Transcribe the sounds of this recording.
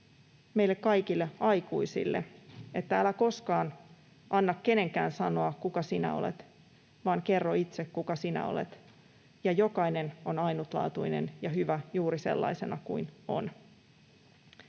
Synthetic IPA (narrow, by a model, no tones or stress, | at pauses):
me̞ilːe̞kkɑjkilːe̞ɑjkuisḭlːe̞e̞t̪ːæælæko̞skɑːn | ʔɑnːɑkːe̞ne̞ŋkæːnsɑno̞ɑkukɑsinæ̰o̞̰le̞̰t̪ | ʋɑːŋke̞rːoit̪se̞kkukɑsinæ̰o̰lḛt̪ | jɑjo̞kɑjne̞no̞nɑjnut̪lɑ̰ːt̪uine̞̰njɑɦyʋæjuːɾise̞̰lːɑ̰ise̞nɑkuino̞̰n